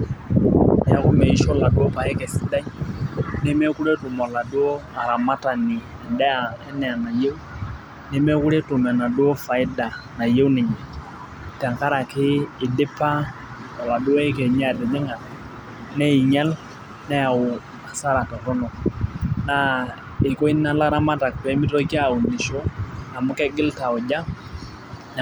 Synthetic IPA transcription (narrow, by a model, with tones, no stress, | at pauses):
n˦ja˨ku˦mɛ˨i˨ʃɔ˦la˨du˦ɔ˦pa˨ɛ˦kɛ˨si˨˦da˦nɛ˦mɛ˦ku˦ɾɛ˦tu˨mɔ˨la˨du˦o˦a˨ɾa˨ma˦ta˨ni˨ | ɛ˨ndɛ˦a˨ɛ˦nɛ˨a˨na˨je˦wu˦ | nɛ˦mɛ˦ku˦ɾɛ˦tu˨mɛ˨na˨du˦o˦fa˨ɪ˦da˨na˨je˦wnɪ˨ɲɛ˨ | tɛ˨ŋka˦ɾa˨kɪː˦˨dɪ˦pa˦ | a˨wa˨dʊ˦ɛ˦ɪ˦kɛ˨ɲa˦˨dɪ˨nɪ˦ŋa˨ | nɛ˦i˨ɲɛ˦l | nɛ˦a˨ʊ˨ | a˨sa˦ɾa˨tɔ˨tɔ˦nɔ˨na˨ | ɪ˨kɔ˦i˦na˦la˦ɾa˦ma˦ta˨k̚pɛ˨˦mɪ˦tɔ˦ki˦a˦˨ʊ˨ndɪ˨ʃɔ˦a˨mʊ˦kɛ˦ɡɪ˦lta˨ʊ˨d͡ʒa˦˨